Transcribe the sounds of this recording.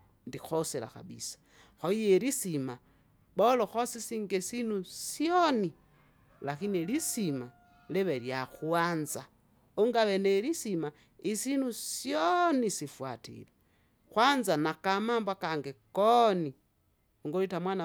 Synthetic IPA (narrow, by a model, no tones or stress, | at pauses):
ndixosela̰xa̰βḭsḁ | xoijeɾisima | βoloxosisiŋɡesinusjoni | laxinielisima | leβeɾjaxwaːnza | oŋɡaβeneɾisima | isinusjonisifwa̰tḭle | xwanzanakamaːmbwakaŋɡekoni | oŋɡolitamwana